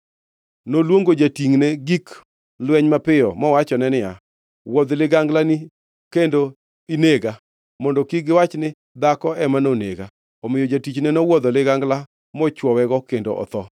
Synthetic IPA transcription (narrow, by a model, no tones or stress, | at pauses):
nolwoŋɡod͡ʒatiŋnɛɡik | lwɛɲmapɪjɔmɔwat͡ʃɔnɛnɪja | wɔd̪lɪɡaŋɡlani | kendo | ineɡa | mɔndɔkiɡɪwat͡ʃnɪ | d̪akɔɛmanoneɡa | ɔmɪjɔd͡ʒatit͡ʃnɛnɔwɔd̪ɔlɪɡaŋɡla | mɔt͡ʃwɔwɛɡɔkendo̰ʔɔ̰t̪ɔ